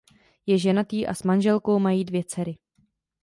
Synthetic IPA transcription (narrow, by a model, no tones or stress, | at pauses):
jɛʒɛnat̪iːʔa̰smanʒɛlko̞wmajiːdvjɛt͡sɛɾɪ